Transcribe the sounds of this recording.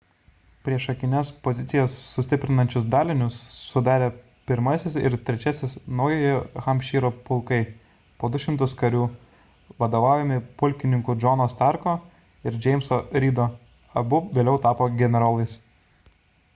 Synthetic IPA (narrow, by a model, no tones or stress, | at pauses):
pʲɾʲiɛʃɐkʲɪnʲɛspɔzʲɪt̪sʲɪjɛsːʊsʲt̪ʲɪpʲɾʲɪnɐnʲt͡ʃʲʊsd̪ɑːlʲɪnʲʊsːʊd̪ɑːɾʲeː | pʲɪɾmɐsʲɪsɪ̰ɾt̪ʲɾʲɛt͡ʃʲɛsʲɪsnɐʊjɛjɛxɐmʲpʲʃʲiːɾoːpʊlˠkɐɪ | poːd̪ʊʃʲɪmt̪ʊskɐɾʲuː | ʋɐd̪oːʋɑːʊjʲɛmʲɪpʊlʲkʲɪnʲɪŋkʊd͡ʒɔnoːst̪ɑɾkoː | ɪɾd͡ʒʲɛɪmʲsoɾʲiːd̪oː | ɐbʊʋʲeːlʲɛʊt̪ɑːpoːɡʲɛnʲɛɾɑːlˠɐɪs